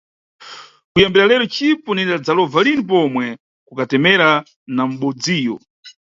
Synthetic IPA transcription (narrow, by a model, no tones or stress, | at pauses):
kujambiɾalɛɾɔt͡ʃipɔnɛndad͡zalɔvalinip̬ɔmwɛ | kukatɛmɛɾa | nam̩ɓɔd͡ziːjɔ